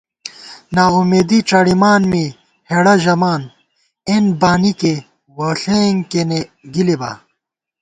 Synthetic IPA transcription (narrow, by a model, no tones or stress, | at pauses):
naːumeːd̪iʈ͡ʂɐɽimaːnmi | heɽɐʑɐmaːn | enbaːnike | wɐːɬeːŋkeneɡiliba̰